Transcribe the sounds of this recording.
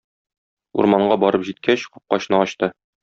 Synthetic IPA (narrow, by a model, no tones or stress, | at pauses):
ṵɾmɑɴɢɑbɒɾɤpʑit̪̚kʰæɕqɒ̥p̚qɒɕnɤɒɕt̪ɤ